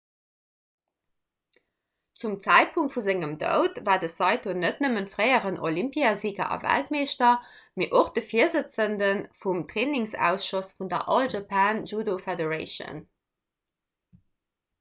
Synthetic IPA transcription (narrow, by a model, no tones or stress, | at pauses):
t͡sumt͡sæɪt̚pʰuŋ̚tfuzeŋəmdə̰ʊtvaːdəsɑɪtʰonətnəməntfʁɜɪəʁənʔolimpiaziːɡɐ̰ʔɑ̰væ̰ltmeːʃtɐ | meːʔoχd̥əfiːəzət͡səndənfumtʁeːnɪŋsæ̰ːʊsʃosfundɐ̰ʔɑlʒɑpʰaːnʒuːdofɛdəʁɑɪʃə̰n